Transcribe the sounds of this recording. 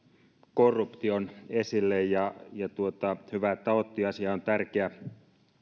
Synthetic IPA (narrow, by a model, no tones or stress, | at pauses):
korːupt̪ionesilːejjɑjɑt̪uot̪ɑhyʋæt̪ɑot̪ːiɑsiɑont̪ærkeæ